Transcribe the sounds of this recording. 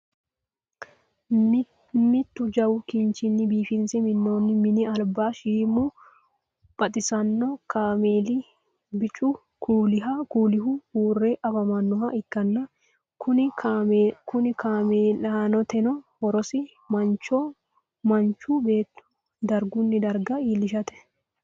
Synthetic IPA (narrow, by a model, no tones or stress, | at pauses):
mɪt̪ːʊd͡ʒɐwʊkɪnt͡ʃɪnːɪbiːfɪnsɪmɪnːo̞ːnːɪmɪnɪɐlbaːʃiːmu | pʼɐt̪ʼɪsɐnːɔkaːmeːli | bɪt͡ʃʼʊ | kʰuːlɪɦɐkuːlɪhuhuːrːeːʔɐbɐmɐnːɔhɐʔɪkːɐnːɐ | kʊnɪ | kʊnɪkaːmeːlaːnɔt̪ɛnɔhɔɾɔsɪ | mɐnt͡ʃo | mɐnt͡ʃuːbe̞ːt̪ːʊ̥ | d̪ɐɾɡʊnːɪd̪ɐɾɡɐiːlɪʃɐt̪ɛ̥